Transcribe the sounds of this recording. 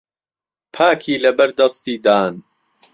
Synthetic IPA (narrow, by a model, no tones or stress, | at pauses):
pʰaːkʰiːlɐbɐɾd̪ɐst̪iːd̪aːn